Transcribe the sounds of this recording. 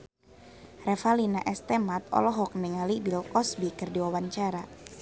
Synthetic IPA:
rɛfalinaʔɛst̪ɛmat̪̚ɔ̰lɔɦɔk̚niŋalibilkɔsbikɨrdiwawaɲt͡ʃaɾa

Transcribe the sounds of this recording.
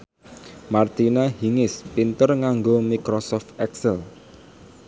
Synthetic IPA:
mart̪inahiŋɪspint̪ərŋaŋɡomikɾɔsɔft̪ɛksɛl

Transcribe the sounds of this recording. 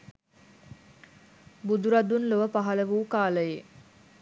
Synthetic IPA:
bud̪uɾad̪unloʋəpaɦɐləʋuːkaːləje

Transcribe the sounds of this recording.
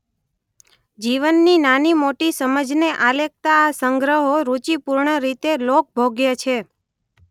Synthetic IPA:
d͡ʒiʋənːinanimoʈisəməd͡ʒneʔalek̚t̪aːsəŋɡɾəɦoɾut͡ʃipuɾɳəɾit̪elok̚bʱoɡjat͡ʃʰe

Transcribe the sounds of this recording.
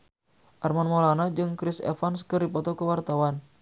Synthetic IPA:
ʔarmanmolanad͡ʒɨŋkɾɪsɛ̰fanskɨrdipɔt̪ɔkəwart̪awan

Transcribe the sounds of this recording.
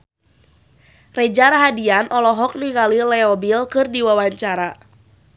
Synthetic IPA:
rɛd͡ʒaɾaɦadianʔɔlɔɦɔk̚niŋɡalilɛɔbilkɨrdiwawaɲt͡ʃaɾa

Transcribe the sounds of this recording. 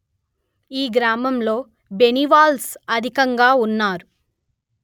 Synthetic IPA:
iːɡɾaːmɐmlo̞ː | beniʋaːlsɐd̪ʱikɐŋɡaːunːaːɾu

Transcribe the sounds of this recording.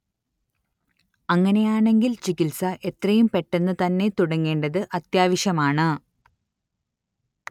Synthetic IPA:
ɐŋːɐne̞jaːɳe̞ŋɡilt͡ɕikilsɐʔe̞t̪rɐjumpe̞ʈːe̞nːɨt̪ɐnːe̞t̪uɽɐŋːe̞ːɳɖɐðɨʔɐt̪jaːʋiɕjɐmaːɳɨ

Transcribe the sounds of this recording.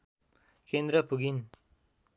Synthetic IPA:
kend̪ɾʌpuɡin

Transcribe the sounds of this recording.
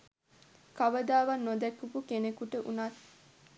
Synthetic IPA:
kaʋəd̪aːʋɐnːod̪ɛkːupukenekuʈəʔṵnat̪

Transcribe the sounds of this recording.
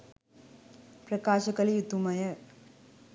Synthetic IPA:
prɐkaːɕɐkːɐljut̪ːumɐjɐ

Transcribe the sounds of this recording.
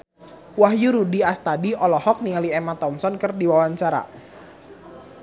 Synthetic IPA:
waɦjuɾudiast̪adiʔɔlɔhɔk̚niŋaliemat̪ɔmsɔnkərdiwawaɲt͡ʃaɾa̰

